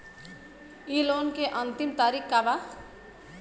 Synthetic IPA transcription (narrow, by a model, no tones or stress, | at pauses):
ilonkeʔʌnt̪imt̪aɾikʰkaba